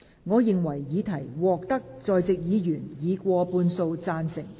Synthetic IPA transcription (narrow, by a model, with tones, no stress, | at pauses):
ŋɔː˨˧jɪ˨ŋwɐ˨˩jːiː˨˧t̪ʰɐ˨˩jwɔː˨k̚t̪ɐ˥k̚t͡sɔː˨jt͡sɪ˨k̚jiː˨˧jyː˨˩njiː˨˧kʷɔː˧puː˧nso˧wt͡saː˧nsɪ˨˩ŋ